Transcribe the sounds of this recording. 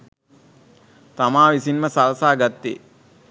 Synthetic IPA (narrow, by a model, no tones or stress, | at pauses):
t̪amaːʋisinməsalsaːɡat̪ːḛː